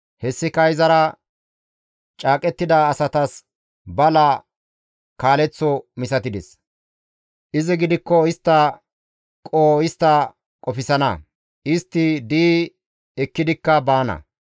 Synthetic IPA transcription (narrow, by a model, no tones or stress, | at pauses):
hɛsːɪkɐjzɐɾɐ | t͡ʃʼaːkʼɛt̪ːɪd̪ɐːsɐt̪ɐs | bɐlɐ | kaːlɛt͡sːɔmɪsɐt̪ɪd̪ɛs | ʔɪzɪɡɪd̪ɪkːɔɪst̪ːɐ | kʼoːɪst̪ːɐ | kʼɔfɪsɐnɐ̰ | ɪst̪ːɪd̪iː | ɛkːɪd̪ɪkːɐbaːnɐ̰